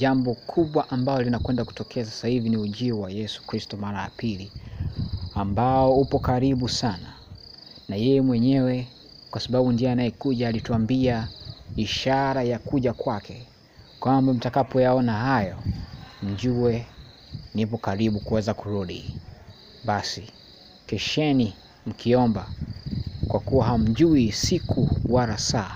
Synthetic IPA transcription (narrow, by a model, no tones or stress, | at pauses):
ʄambɔkʰuɓwaʔambalɔlinakwɛndaku̥tɔkʰɛas̬ḁsahiviniuʄiwajɛsu̥kɾistɔmaɾaja̰pili | ambaɔupɔkaɾiɓusana | najɛjɛmwɛɲɛwɛ | kwasaɓaɓundiaanajɛkuʄaːlituambiaiʃaɾajakuʄakwakʰɛ | kwambam̩takapɔjaɔnahajɔm̩ʄuwɛ | nipɔkaɾiɓukuwɛzakuɾuɗḭ | ɓasi | kɛʃɛni | m̩kiɔmba | kwakuwaɦam̩ʄuisikuwaɾasaː